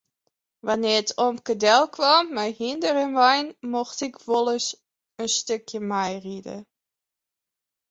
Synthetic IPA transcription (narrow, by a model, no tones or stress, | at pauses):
ʋanɪːətʰɔmkədɛlˠkʰʋamːɛjhindəɾənʋajnmɔxtɪkʋolˠəs | ənstøkʰjəmɛjridə̰